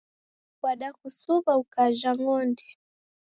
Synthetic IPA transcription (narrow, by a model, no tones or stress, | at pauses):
ɓaɗakusuβaukaʒaŋɔndi